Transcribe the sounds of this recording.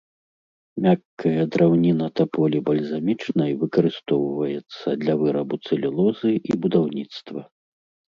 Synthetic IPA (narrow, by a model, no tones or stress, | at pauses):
mʲakːɐjɐd̪ɾʔawnʲinɐt̪ɐpɔlʲibɐlʲzamʲit͡ʂnɐjvɨkɐɾɨst̪ɔwvɐjɛt̪sːɐd̪lʲɐvɨɾɐbut̪sɨlʲilˠɔzɨʔibud̪awnʲit̪st̪vɐ